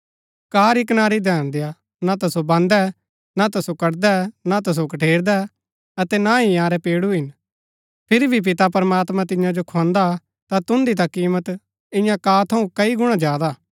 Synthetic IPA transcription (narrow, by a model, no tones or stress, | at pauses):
kaːɾikənaːɾid̪ʱɛːɽ̃d̪eja | nat̪ɐsobɐ̃nd̪ɛ | nat̪ɐsokɐɽd̪ɛnat̪ɐs̬okɐʈʰeːɾd̪ɛ | ɐt̪ɛnaɦijãːɾɛpeːɽuɦɪn | pʰɪɾibʱip̬ɪt̪apɐɾmaːt̪mãt̪̬ɪ̃jãd͡ʒokʰɔ̃ːnd̪a | t̪at̪ʊ̃nd̪it̪̬akiːmət̪ | ɪ̃jãkaːt̪ʰɐũkɐiɡʊɽ̃ãd͡ʒjaːd̪aː